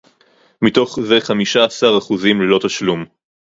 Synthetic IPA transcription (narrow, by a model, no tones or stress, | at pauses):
mito̞χze̞χamiʃaːsaʁaχuzimlelo̞t̪aʃlum